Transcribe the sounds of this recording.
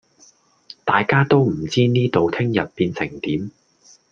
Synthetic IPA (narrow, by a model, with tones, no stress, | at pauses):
t̪aː˨jkaː˥t̪o˥wm̩˨˩t͡siː˥niː˥t̪o˨wt̪ʰɪ˥ŋjɐ˨t̚piː˧nsɪ˨˩ŋt̪iː˨˥m